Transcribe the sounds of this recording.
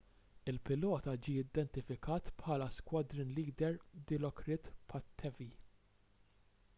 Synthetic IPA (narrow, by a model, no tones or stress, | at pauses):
ɪlpɪlɔːt̪ɐd͡ʒiːɪd̪ɛnt̪ɪfɪkɐːt̪pħɐːlɐskwɐd̪ɾɪnliːd̪ɛɾd̪ɪlɔkɾɪt̪pħɐt̪ʰːɛvi